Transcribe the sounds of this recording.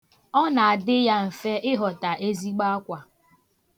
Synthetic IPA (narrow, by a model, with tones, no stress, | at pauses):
ɔ˦na˨a˨dɪ˦ja˦m̩˨fe˦ʔɪ˦ɦɔ˨ta˨ʔe˦zi˦ɡ͡ba˦a˦kʷa˨